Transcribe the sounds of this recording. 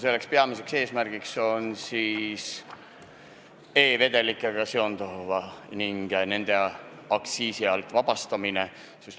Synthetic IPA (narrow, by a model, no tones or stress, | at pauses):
se̞lːe̞kspe̞ɑmise̞kse̞ːsmærɡ̥ikso̞nsiːs | e̞ːve̞d̪e̞likːˑeɡ̥ɑseo̞nd̪ovɑniŋɡ̥ne̞nd̪̥e̞ | ɑksiːsiɑlt̪ˑvɑb̥ɑst̪ɑmine̞ | sis